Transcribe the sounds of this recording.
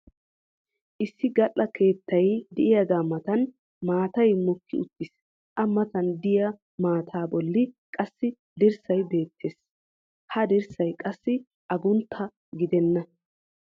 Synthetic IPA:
ʔɪsːɪɡɐʔːɐkʰe̞ːt̪ːɐjd̪ɪʔɪjɐɡ̪aːmɐt̪ɐn | maːt̪ɐjmʊkːɪʊt̪ːɪs | ʔɐmːɐt̪ɐnd̪ɪjɐ | maːt̪ʰaːbɔlːɪkʼɐsːɪ | d̪ɪɾsɐjbe̞ːt̪ʰːe̞ːs | hɐd̪ɪɾsɐjkʼɐsːɪ | ʔɐɡʊnt̪ʰːɐ | ɡɪd̪ɛnːɐ

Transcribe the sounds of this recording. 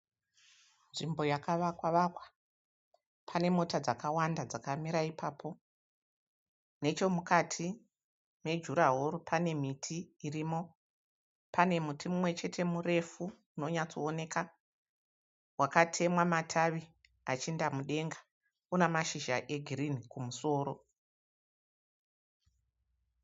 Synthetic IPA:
nʐimbo̞jakaʋakwaʋakwḁ | pʰane̞mo̞tad͡zakawandad͡zakamiɾaipʰaːpʰo̞ | ne̞t͡ʃo̞mukatʰi | me̞d͡ʒuɾaɦoɾupʰane̞mitʰiːriːmo̞ | pane̞mutʰimumwe̞t͡ʃe̞tʰe̞mure̞fu | uno̞ɲat͡soone̞ka | wakatʰe̞mwamatʰaʋi | at͡ʃindamuɗe̞ŋɡḁ | unamaʃiʒaʔe̞ɡʱirinikumuso̞ːɾo̞

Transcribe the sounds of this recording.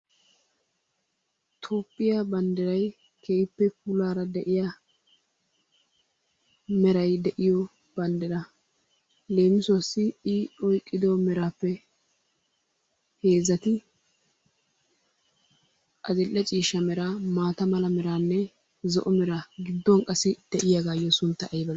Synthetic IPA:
t̪ʰoːpʼːɪjabɐnd̪ɛɾɐj | kʰeːɪpːɛpʊlaːɾɐd̪ɛʔɪja | mɛɾɐjd̪ɛʔɪjɔ | b̥ɐnd̪ɛɾɐ | le̞ːmɪsɔɐsːɪɪɔjkʼːɪd̪ɔmɛɾaːpːɛ | he̞ːzɐt̪ɪ | ɐzɪlːɛt͡ʃʼiːʃɐmɛɾamaːt̪ɐmɐlɐmɛɾaːnːɛ | zɔ̰ʔɔmɛɾaɡɪd̪ːɔŋkʼɐsɪd̪̥ɛʔɪjaɡaːjːɔsʊnt̪ːɐʔɐjbɐ

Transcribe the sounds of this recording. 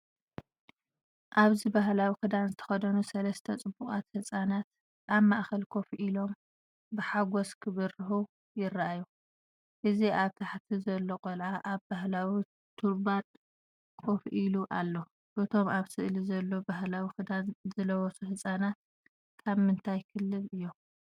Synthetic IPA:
ʔaβzibaɦlawikɨd̪anzɨt̪ʰɐ̥xɐd̪ɐnusɐlɐst̪ʰɐt͡sʼɨbːuχʼa̰t̪hɨsʼanat̪ | ʔaβmaʔxɐlkʰo̞fʔilo̞m | bɨħaɡoskʰɨβɐrɨhu | jɪraʔaju | ʔɨziʔaβt̪ʰaħt̪ʰizɐlːokʼolʕaʔaβbaɦlawi | t̪ʰuɾbat̪ʼ | kʰofʔiluʔalːo | ʔɨt̪ʰo̞maβsɨʔlizɐlːo̞baɦlawikɨd̪anzɨlɐwɔsuhɨsʼanat̪̚ | kʰaβmɨnt̪ʰajkʰɨlːɨlɨjːom

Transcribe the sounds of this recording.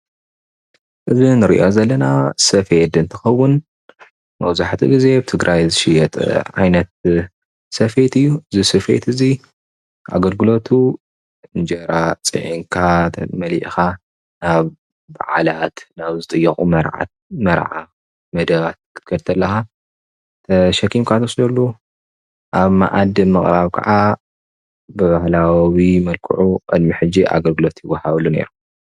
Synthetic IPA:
ʔɨzinɨɾḭʔozɐlːɐnasɐfed̪ɨnt̪ʰɨxɐwːʊn | mɐwzaħt̪ʰḭɡize̞bɨt̪ʰɨɡɾʔajzɨʃɪjɛt̪ʼʕa̰jnɐt̪̚ | sɐfet̪ɨjːuʔɨzisɐfḛt̪ɨzi | ʔa̰ɡɐlɡɨlo̞t̪ʰu | ɨnd͡ʒɐɾat͡sʼɨ̰ʕiŋkʰa̰mɐliʔxa | naβ | ba̰ʕalat̪naβzɨt̪ʼɨjːɐxʼumɐɾ̰ | mɐɾʕa̰ | mɐd̪ɐβat̪̚kʰɨ̥t̪kʰɐɾt̪ʰɐlːɐxa | t̪ʰɐʃɐkʰimkʰat̪ʰɐslɐlːu | ʔaβma̰ʔad̪ɨmɨχʼɾaβkʰɐ̰ʕa | bɨβahlawimɐlkʰṵʕuqʼɨ̰d̪miħɨd͡ʒːiʔa̰ɡɐlɡɨlo̞t̪jɪwːɐhaβlːune̞̰ɾu

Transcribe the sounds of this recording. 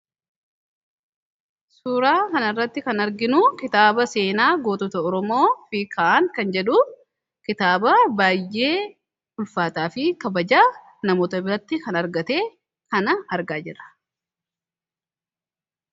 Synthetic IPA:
suːɾaːkɐnɐrːɐt̪ːɪkɐnɐɾɡɪnʊkɪt̪aːbɐse̞ːnaːɡoːt̪ɔt̪ɐɔɾɔmo̞ːfikʰːaːʔaŋkɐnd͡ʒɛᶑuːf | kɪt̪aːbɐbaːjːe̞ː | ʊlfaːt̪aːfɪkɐbɐd͡ʒaː | nɐmoːt̪ɐbɪɾɐt̪ːɪkɐnɐɾɡɐt̪e̞ː | kɐnɐɐɾɡaːd͡ʒɪrɐ̥

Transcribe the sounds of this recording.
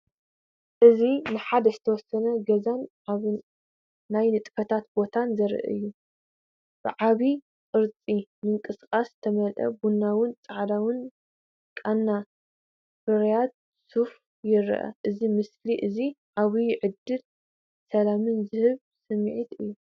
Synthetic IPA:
ʔɨzinɨħad̪ɐzɨt̪ʰɐwɔsːɐnɐɡɐzanʕaβ | najnɨt̪ʼfɐt̪ʰat̪bo̞t̪ʰanzɐɾʔɨ̰jːu | b̥ɨʕaβi | kʼɨɾt͡sʼimɨŋkʼɨskʼast̪ʰɐmɐlʔɐ̰bunːawɨnt͡sʼaʕd̪awɨn | kʼanːa | fɨɾjad̪̚ | suf | jɪɾ̰ʔɐ̰ʔɨzimɨsliʔɨziʕaβiʕɨd̪ːɨl | sɐlamɨnzɨhɨβ | sɨmʕit̪ɨjːu

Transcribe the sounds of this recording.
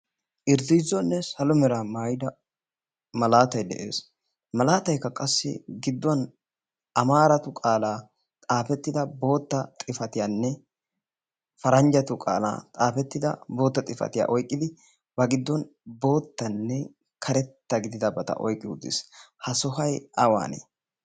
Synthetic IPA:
ʔɪɾzɪzɔnːɛsɐlɔmɛɾamaːjɪd̪ɐ | mɐlaːt̪ɐjd̪ɛ̰ʔḛːs | mɐlaːt̪ɐjkːɐkʼɐsːɪ̰ɡɪd̪ːɔn | ʔɐmaːɾɐt̪ʊkʼaːlaː | t̪ʼaːfɛt̪ːɪd̪ɐbo̞ːt̪ːɐt̪ʼɪfɐt̪ɪjaːnːɛ | fɐɾɐnd͡ʒɐt̪ʊkʼa̰ːla̰ːt̪ʼaːfɛt̪ːɪd̪ɐ̰bo̞ːt̪ːɐt̪ʼɪfɐ̰t̪ɪja̰ʔɔjkʼːɪd̪ɪ | bɐɡɪd̪ːɔn | bo̞ːt̪ːɐnːɛ | kʰɐɾɛt̪ːɐɡɪd̪ɪd̪ɐbɐt̪ɐ̰ʔɔ̰jkʼːɪud̪ɪ̰shɐsɔɦɐjɐwa̰ːnḛː

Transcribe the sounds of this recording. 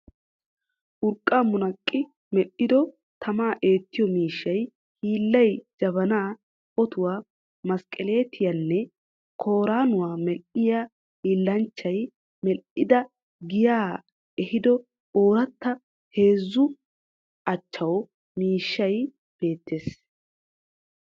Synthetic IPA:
ʔʊɾkʼːaːmʊnɐkʼːɪ | mɛʔːɪd̪ɔ | t̪ʰɐmaːʔe̞ːt̪ːɪjɔmiːʃːɐj | hiːlːɐjd͡ʒɐβɐnaː | ʔɔt̪ʊwaː | mɐskʼːɛle̞ːt̪ʰɪjɐnːɛ | kʰo̞ːɾaːnʊwaːmɛʔɪja | hiːlːɐnt͡ʃːɐj | mɛʔɪd̪ɐ | ɡɪjaː | ɛhɪd̪ɔ | oːɾɐt̪ːɐ | he̞ːzːʊ | ʔɐt͡ʃːɐw | miːʃːɐj | b̥e̞ːt̪ːe̞ːs

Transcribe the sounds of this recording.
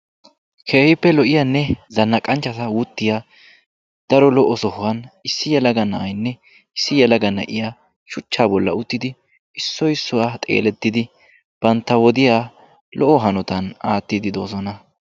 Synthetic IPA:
kʰe̞ːhɪpːɛlɔʔɪjaːnːɛzɐnːɐkʼɐnt͡ʃːɐt̪ɐwʊt̪ːɪjaː | d̪̥ɐɾɔlɔʔɔsɔhʊwɐnɪsːɪjɛlɐɡɐnɐʔɐjnːɛ | ɪsːɪjɛlɐɡɐnɐ̰ʔɪjaː | ʃʊt͡ʃːaːbɔlːɐ̰ʊt̪ːɪd̪ɪ | ɪsːɔjsːɔwat̪ʼḛːlɛt̪ːɪd̪ɪ | b̥ɐnt̪ːɐwɔd̪ɪjaː | lɔʔɔɦɐnɔt̪ɐnaːt̪ːɪd̪ɪd̪o̞ːsɔnɐ

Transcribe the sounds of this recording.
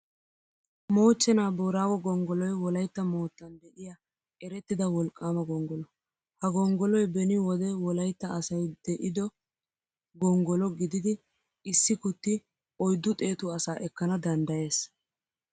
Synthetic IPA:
mo̞ːt͡ʃːɛnaːboːɾaːwɔɡɔŋɡɔlɔjwɔlɐjt̪ːɐmoːt̪ːɐnd̪ɛʔɪjaː | ɛɾɛt̪ːɪd̪ɐwɔlkʼːaːmɐɡɔŋɡɔlɔ | hɐɡɔŋɡɔlɔjbɛnɪwɔd̪ɛwɔlɐjt̪ːɐːsɐjd̪̥ɛʔɪd̪ɔ | ɡɔŋɡɔlɔɡɪd̪ɪd̪ɪ | ɪsːɪkʊt̪ːɪ | ɔjd̪ːʊt̪ʼe̞ːt̪ʊɐsaːʔɛkːɐnɐd̪ɐnd̪ɐje̞ːs

